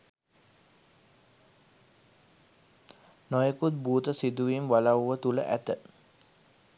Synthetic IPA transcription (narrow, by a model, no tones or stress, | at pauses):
nojəkut̪̚buːt̪əsid̪uʋimʋalawʋət̪ulə̰ʔæ̰t̪ə